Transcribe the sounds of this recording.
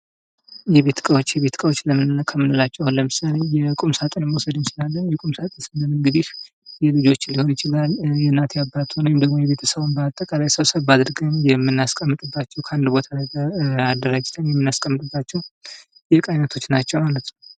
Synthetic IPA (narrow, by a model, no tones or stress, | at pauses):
jɛβe̞t̪kʼəwot͡ʃːjɛβe̞t̪kʼəwo̞t͡ʃːləmɨnkʰəmːɨnɨlat͡ʃːɛwnləmɨsalejɛkʼumsat̪ʼənmwɔsəd̪ɨnsɨlalːəjɛkʼumsat̪ʼənsɨnləmɨŋɡɨd̪if | jɛlɨd͡ʒo̞t͡ʃːlːiho̞njɪt͡ʃɪlaljɛnːat̪ʰjabːat̪ʰonojɪmd̪əɡmo̞jɛβe̞t̪ʰəsəβonbəat̪ʼːəkʼalajsəwsəβbad̪ɨɾɡənjɛmːɨnːaskʼəmːɨt̪ʼɨbːat͡ʃːɛwkʰəand̪bo̞t̪ʰalaad̪ːəɾad͡ʒɪt̪ʰɨnjɛmːɨnːaskʼəmːɨt̪ʼɨbːat͡ʃːɛw | jɛkʼajnət̪ʰo̞t͡ʃːnat͡ʃːɛwmalət̪n